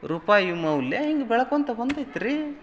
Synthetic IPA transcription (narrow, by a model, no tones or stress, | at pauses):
ɾupaːjumɐwlːeɦiŋɡebɛɭɐkoːnt̪ɐbɐnd̪ajt̪ːiɾi